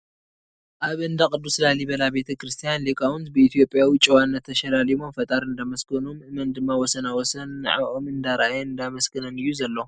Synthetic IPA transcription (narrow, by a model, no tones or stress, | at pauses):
ʔaβɨnd̪akʼɨd̪ːuslaliβɐlabe̞t̪ʰɐkɾɨst̪ʰijanlekʼawɨnt̪bɨit̪ʰijo̞pʼjawit͡ʃʼɛwanːɐt̪ʰːɐʃɐlalimomfɐt̪ʼaɾɨnd̪amɐskɐnumʔɨmɐnd̪ɨmːawɔsɐnawɔsɐn̰ːʕa̰βʔo̞mɨnd̪aɾɐʔajeɨnd̪amɐskɨnɐnɨjːuzɐlːo̞